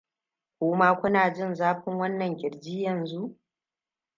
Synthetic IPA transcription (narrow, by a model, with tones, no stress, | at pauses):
kʷʊː˦maː˦kʷʊ˦naː˨d͡ʒɪ˦nzaː˦ɸɪ˦ŋwɐ˦nːɐ˨ŋkʲɪ˨ɾd͡ʒiː˦jɐ˨nzu˦ʔ